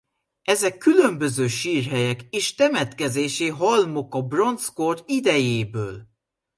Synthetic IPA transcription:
ɛzɛkʰːylø̞mbø̞zøːʃiːrɦɛjɛkeːʃt̪ɛmɛt̪kɛzeːʃeːɦɒlmo̞kɒbro̞nskord̪id̪ɛjeːbøːl

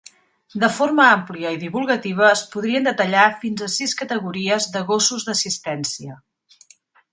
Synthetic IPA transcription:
d̪əfoɾməampliəiðiβulˠɣət̪iβ̞əːspuð̞ɾiənd̪ət̪əʎafinzəsiskət̪əɣuɾiəzðəɣosuzðəsist̪ɛnsiə

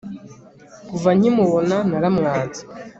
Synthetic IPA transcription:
kuvaɲ̥imuβonanaɾamŋaːnt͡sḁ

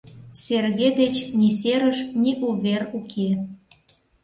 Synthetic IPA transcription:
serɣed̪et͡ɕniseɾəʃniʔuβerukʰe

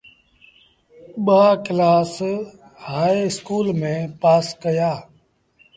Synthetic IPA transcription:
ɓaːklaːs | haːiɪskuːlmẽːpaːskəjaː

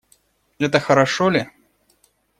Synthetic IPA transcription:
ɛt̪əxɐɾɐʂolʲɪ

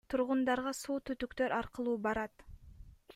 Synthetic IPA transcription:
t̪ʰuɾʁʊnd̪ɑɾʁɑsuːt̪ʰyt̪ykt̪ø̞ɾʔɑɾqəlˠuːbɑɾɑt̪

